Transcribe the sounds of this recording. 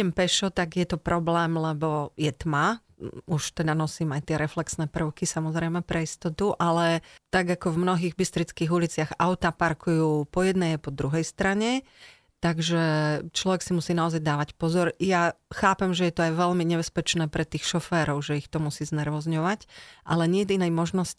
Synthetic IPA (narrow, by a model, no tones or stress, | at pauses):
ɛmpɛʃɔt̪aɡjɛt̪ɔpɾʔɔblɛːmlɛbɔjɛt̪ma | uʃt̪ɛd̪anɔsiːmajt̪ɪɛɾɛflɛksnɛːpr̩ʊkisamɔzɾɛjmɛpɾɛist̪ɔt̪uʔalɛt̪aɡakɔvmnɔɦiːɣbist̪ɾit͡skiːɣulit͡sɪaɣaʊt̪apaɾkujuːpɔjɛd̪nɛjapɔd̪ɾuɦɛjst̪ɾaɲɛ | t̪aɡʒɛt͡ʃlɔʋɛksimusiːnaɔzajd̪aːʋacpɔzɔɾjaxaːpɛmʒɛjɛt̪ɔajʋɛʎmiɲɛbɛspɛt͡ʃnɛːpɾɛt̪iːxʃɔfɛːɾɔʊʒɛixt̪ɔmusiːznɛɾʋɔzɲɔʋacʔa̰lɛɲɪɛd̪inɛjmɔʒnɔsc